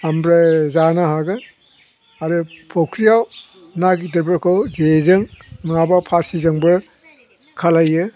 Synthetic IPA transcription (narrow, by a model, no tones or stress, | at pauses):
ambɾazanaɦaɡɯ | aɾɯpʰokʰɾijaw | naɡidɯɾbɯɾkʰɯwzezɯŋmŋabapʰaɾsizɯŋbɯ | kʰalajɯ